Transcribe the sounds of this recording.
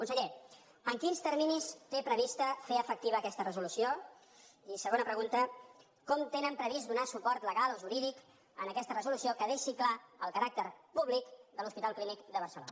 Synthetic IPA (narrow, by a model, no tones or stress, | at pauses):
kunsəʎe | əŋkinst̪əɾminist̪epɾəβ̞ist̪əfeəfək̚t̪iβəːkɛst̪ərəzulusio | isəɣonəpɾəɣunt̪ə | kɔmt̪enəmpɾəβizd̪unasupɔɾt̪ləɣaloʒuɾiðik | ənəkɛst̪ərəzulusiokəðeʃiklaəlˠkəɾak̚t̪əɾpuβlikd̪əluspit̪alˠklinikd̪əβ̞ərsəlo̰nə